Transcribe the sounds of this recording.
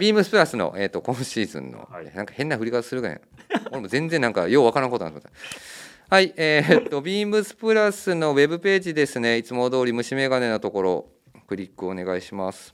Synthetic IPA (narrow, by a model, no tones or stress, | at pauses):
bʲiːmbɯsɨ̥pɯɾasɨno̰ʔe̞ːt̪ːokõ̞ɰ̃ɕiːzɨ̰̃nːo̰nãŋkḁhẽ̞nːaɸɯɾʲikat̪ḁsɨɾɯ̟ɡa̰ɲa̰ | koɾemo̞zẽ̞nd͡zenːãŋka̰jo̞ːβakaɾankotonat̪imot̪ː | haieːt̪ːo̞bʲiːmɯ̟sɨ̥pɯ̟ɾasɨno̞we̞bɯ̟pe̞ːʑid̪e̞sɨne̞it͡sɨmod̪o̞ːɾʲimɯ̟ɕime̞ɡane̞not̪o̞ko̞ɾo̞̰ | kɯ̟ɾʲikːɯo̞ne̞ɡaiɕimasɨ̥